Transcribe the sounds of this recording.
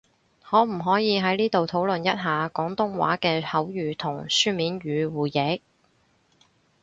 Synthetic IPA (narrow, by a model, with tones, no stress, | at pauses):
hɔː˨˧m̩˨˩ɦɔː˨˥jiː˨˧ɦɐ˨˥jniː˥t̪o˨wt̪ʰo˨˥wlɵ˨njɐ˥t̚ɦaː˨kɔː˨˥ŋt̪ʊ˥ŋwa̰ː˨˥kɛː˧hɐ˨˥wjyː˨˩t̪ʰʊ˨˩ŋsyː˥miː˨˥nɥyː˨˧wuː˨jɛ˨˥k̚